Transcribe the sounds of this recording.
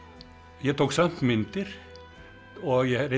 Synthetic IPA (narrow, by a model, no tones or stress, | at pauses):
jæt̪ʰuːksɑnt̪mɪnt̪əɾ | ɔjæɾɛ